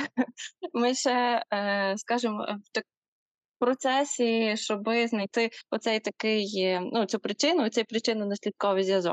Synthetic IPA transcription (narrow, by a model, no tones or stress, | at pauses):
mɪʃɛ | skɑʒɪm̰wt̪ɐk | pɾɔt̪sɛsʲiʃt͡ʃɔbɪznɐjt̪ɪɔt̪sɛjt̪ɐkɪjnutt͡sʲupɾɪt͡ʃɪnʊtt͡sʲɛjpɾɪt͡ʃɪnʊnɐsʲlʲit̪̚kɔʋɪjzʲjʲɐzɔ̰k